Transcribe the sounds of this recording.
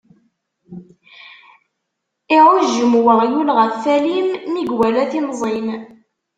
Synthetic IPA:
iʁʊʒəmwəʁjulʁəfθælimmiɡwælæθinzˤin

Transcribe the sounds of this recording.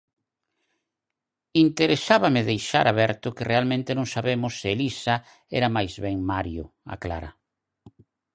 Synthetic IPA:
int̪eɾesaβamɪðejʃa̰ɾaβɛɾt̪ʊkɪrʔealmẽnt̪ɪnõŋsaβemʊsːɪelisa | ɛɾamajzβɛŋmaɾjʊ̰ | a̰kla̰ɾa

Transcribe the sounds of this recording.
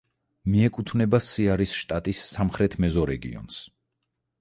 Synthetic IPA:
miɛkʼut̪ʰvnɛbasiaɾisʃt̪ʼat̪ʼisːamχɾɛt̪ʰmɛzɔɾɛɡḭɔ̰ns

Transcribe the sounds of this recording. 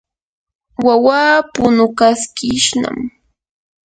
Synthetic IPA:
wawaːpʊnʊkaskɪʃna̰m

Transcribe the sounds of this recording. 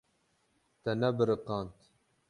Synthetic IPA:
t̪ɛnɛbɨɾɨqɑːnt̪

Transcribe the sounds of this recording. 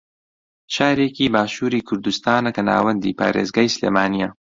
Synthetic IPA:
ʃaːɾeːkiːbaːʃuːɾiːkʰʊɾd̪ust̪aːnɐkɐna̰ːwɐnd̪ḭːpʰa̰ːɾeːzɡaːjsleːmaːnijɐ

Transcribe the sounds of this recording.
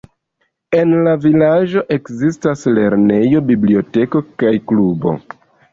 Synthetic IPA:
e̞nlavilad͡ʒo̞ʔe̞kzistasle̞ɾne̞jo̞biblio̞te̞ko̞kajklubo̞̰

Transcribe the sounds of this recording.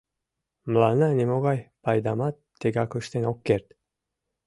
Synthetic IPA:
mlˠananʲimoɡɑjpɑjd̪amat̪ʰː | eɡakɵʃt̪enokːeɾt̪

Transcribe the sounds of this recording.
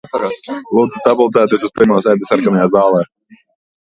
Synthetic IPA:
askalˠuːd̪zisabulˠd̪zaːt̪iɛs̬uspiɾmaːsɛjd̪ɛsaɾɡamajaːzaːlˠɛː

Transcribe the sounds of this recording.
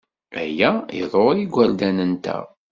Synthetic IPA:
æ̰jæiðˤoɾˤiɡʷːæld̪ænənt̪æ̰

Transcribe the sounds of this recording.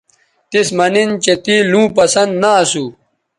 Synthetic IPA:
t̪ismɐnint͡ɕet̪ilũːpɐsɐnd̪naːsu

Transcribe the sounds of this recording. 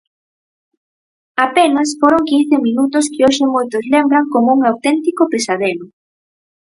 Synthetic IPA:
apenɐsfoɾoŋkin̟θɪminut̪ʊskɪoʃɪmojt̪ʊzlembɾaŋkomuŋawt̪ɛnt̪ikʊpesaðenʊ

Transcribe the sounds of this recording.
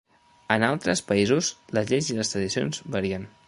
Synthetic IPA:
ənalˠt̪ɾəspəizusləzʎeziləst̪ɾəðisio̰nzbəɾiən

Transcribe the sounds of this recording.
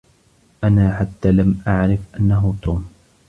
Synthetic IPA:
ʔanaːħat̪ːaːlamʔaʕɾɪfʔanːaɦʊt̪uːm

